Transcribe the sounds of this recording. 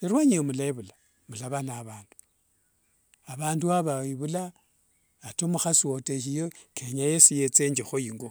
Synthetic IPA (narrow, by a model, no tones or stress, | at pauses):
iɾwaɲiomulaiβula | mulaβanaβaːndu̥ | aβaːnduaβaiβulaː | tomuxasoteʃ̬ijokʰeɲajesijet͡seɲd͡ʒixojiŋɡo